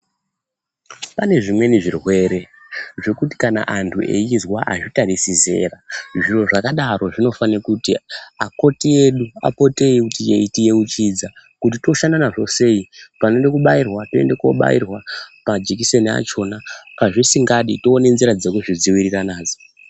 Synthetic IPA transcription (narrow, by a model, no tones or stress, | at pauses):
pane̞ʐimwe̞niʐirwe̞ɾe̞ | ʐe̞kuti̥kana̰ʔantʰuʔḛjizwaʔaʐitarisize̞̰raʐiro̞ʐakaɗaro̞ʐino̞fanekutiako̞tie̞ɗua̰po̞te̞ikutieitije̞ut͡ʃiːd͡zakut̬ito̞ʃandanaʐo̞se̞ipane̞ndekuɓairwato̞endeko̞̰ɓa̰ḭrwamad͡ʒek̬ise̞nia̰t͡ʃo̞napaʐisiŋɡaɗitoːne̞nziɾad͡zekuʐid͡ziwiriranaːd͡zo̥